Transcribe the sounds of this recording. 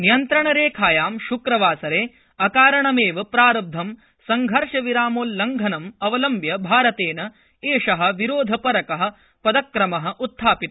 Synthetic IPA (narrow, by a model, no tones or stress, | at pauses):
nijɐnt̪ɾɐɳɐɾeːkʰaːjaːmʃukɾɐʋaːsɐɾeː | ɐkaːɾɐɳɐmeːʋɐpɾaːɾɐb̚d̪ʱɐm | sɐŋɡʱɐɾʂɐʋiɾaːmoːlːɐŋɡʱɐnɐmɐʋɐlɐmbjɐbʱaːɾɐt̪eːnɐ | eːʂɐɦɐ̆ʋiɾoːd̪ʱɐpɐɾɐkɐɦɐ̆ | pɐd̪ɐkɾɐmɐɦɐ̆ʔut̪ʰːaːpit̪